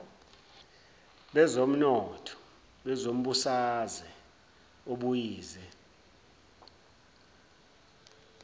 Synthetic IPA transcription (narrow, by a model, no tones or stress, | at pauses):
ɓɛzom̩nɔtʰɔ̥ | ɓɛzom̩ɓusazɛ | oɓujiːzɛ